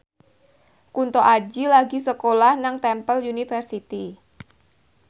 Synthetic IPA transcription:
kunt̪oʔad͡ʒilaɡisəkolahnaŋt̪ɛmpəljunifərsit̪i

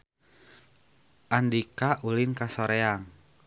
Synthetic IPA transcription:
ʔandikaʔulinkasoɾeaŋ

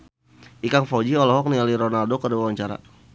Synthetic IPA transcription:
ʔikaŋfɔd͡ʒiɔlɔɦɔk̚nialiɾɔnaldokərdiwawaɲt͡ʃaɾa̰

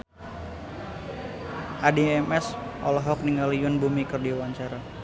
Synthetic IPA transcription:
ʔadiɛmɛsʔɔlɔɦɔk̚niŋɡalijʊnbumikərdiwaɲt͡ʃaɾa

